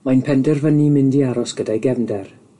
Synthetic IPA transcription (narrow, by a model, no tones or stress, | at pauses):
majnpʰɛndɛrvənimɪndiaɾɔsɡ̥ədajɡɛvndɛr